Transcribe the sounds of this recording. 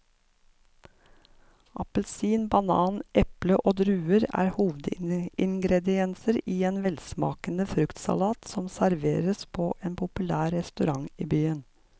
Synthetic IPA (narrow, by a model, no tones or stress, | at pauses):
ʔɑpəlsiːnbɑnɑːnʔɛpləʔoːd̪ɾʉːəɾæ̰ːɾhuːʋəd̪ɪŋɡɾɛd̪ɪɛnsəɾiːeːnʋɛlsmɑ̰ːkənəfɾʉkt̪sɑ̰lɑːt̪sɔmsæɾʋḛːɾəspʰoːʔeːnpʰʊpʉlæːɾɾɛst̪ʉɾɑŋiːbyːən